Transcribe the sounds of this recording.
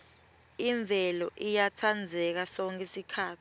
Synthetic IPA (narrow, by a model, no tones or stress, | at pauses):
iɱb̪vʱɛlɔʔijatʰand͡zʱɛk̬asɔŋkʰʼɛsikʰaːtʰi̥